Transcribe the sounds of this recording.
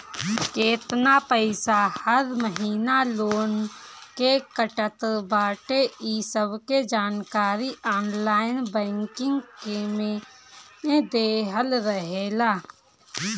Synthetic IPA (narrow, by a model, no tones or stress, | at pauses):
keːt̪napəɪsahəɾməɦiːnaloːnkekəʈət̪baːʈeiːsəbked͡ʒaːnkaːɾiʔɔːnlaːɪnbɛ̃ːŋkɪ̃ŋɡkemẽ | ed̪eːɦəlɾəɦeːlaː